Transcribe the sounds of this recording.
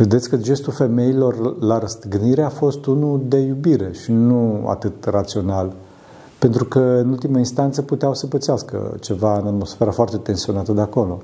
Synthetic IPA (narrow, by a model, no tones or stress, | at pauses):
ve̞d̪et̪sʲkəd͡ʒe̞st̪ulfe̞me̞ilo̞rlaɾəst̪ɨɡniɾe̞afo̞st̪unud̪e̞jubiɾe̞ʃinua̰t̪ɨt̪rat̪sio̞nal | pe̞nt̪ɾukəɨnult̪imainst̪ant̪səput̪eawsəpət̪sɪaskə̰t͡ʃe̞vaɨnat̪mo̞sfeɾafoart̪e̞t̪e̞nsio̞nat̪əd̪eako̞lo̞